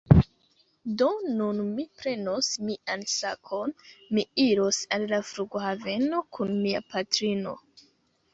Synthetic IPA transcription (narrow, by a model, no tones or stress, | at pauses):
do̞nunmipɾe̞no̞smiʔansakʰo̞nmiiɾosallafɾuɡohave̞no̞kʰunmia̰patɾino̞̰